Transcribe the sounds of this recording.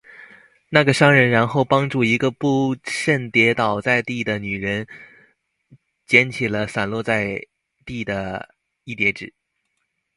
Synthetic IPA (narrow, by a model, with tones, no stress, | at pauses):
na˥˩ɡə˩ʂɑ˥ŋɻə˧˥nɻa˧˥nxo˥˩ʊpɑ˥ŋʈ͡ʂu˥˩i˧˥ɡə˧pu˥˧ʂə˥˩nt̪jɛ˧˥t̪ɑ˨˩ʊt͡sa˥˧ɪt̪i˥˩d̪ə˩ny˨˩ɻə˧˥n | t͡ɕjɛ˧˥nt͡ɕʰi˨˩lə˦sa˨˩nlwɔ˥˧t͡sa˥˧ɪ | t̪i˥˩d̪ə˩ | i˥˩t̪jɛ˧˥ʈ͡ʂɻ̩˨˩˦